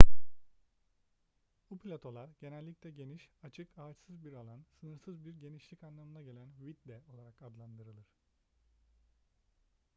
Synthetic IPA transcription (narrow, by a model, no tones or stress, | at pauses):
buplʲat̪ʰo̞lˠaɾɟ̥e̞nɛlʲːiclʲɛɟe̞niʃat͡ʃʰɯkaːt͡ʃsɯzbiɾalˠansɯnɯɾsɯzbiɾɟeniʃlʲicanlˠamɯnaɟe̞lʲænwit̪d̪ɛo̞lˠaɾakad̪lˠand̪ɯɾɯlˠɯɾ̥